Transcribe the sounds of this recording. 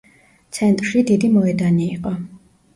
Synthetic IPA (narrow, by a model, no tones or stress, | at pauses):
t̪sʰɛnt̪ʼɾʃid̪id̪imɔɛd̪aniːqʼɔ